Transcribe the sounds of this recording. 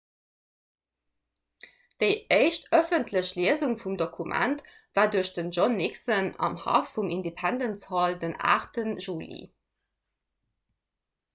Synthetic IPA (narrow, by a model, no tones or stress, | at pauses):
d̥əɪəɪʃtœfəntʰləɕliəzuŋfumdokʰumʔæ̰nt | v̥aːduəɐɕd̥ənʒɔnːiksənɑ̰mhɑ̰fːumʔindepʰændənshɑldəna̰ːχtənʒuːlḭ